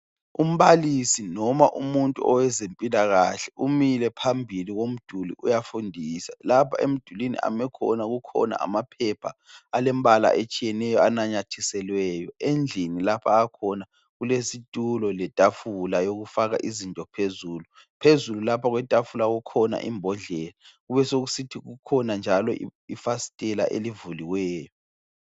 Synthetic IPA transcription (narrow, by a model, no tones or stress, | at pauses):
um̩βalisinɔmaʔumuntʼuɔwɛzempʼilaɣaɬɛʔumilɛpʰambʱiliɣom̩d̥ʱulḭʔujafundʱisalapʰa̰ʔem̩d̥ʱulinḭʔa̰mɛkʰɔ̰naɣukʰɔ̰na̰ʔa̰mapʰɛpʰa̰alɛmβala̰ʔet͡ʃʼijɛnɛjɔanaɲatʰisɛlwɛːjɔend͡ɮʱinilapʰaːkʰɔna | ɣulesitʼulɔlɛtʼafulajoɣufaɣa̰ʔizintʼɔpʰezuːlu | pʰezululapʰaɣwɛtʼafulaɣukʰɔna̰ʔḭmbʱɔɮɛːlaɣuβɛsoɣusitʰiɣukʰɔnand͡ʒʱalɔ̰ifasi̥tʼɛla̰ʔḛlivuliwɛːjɔ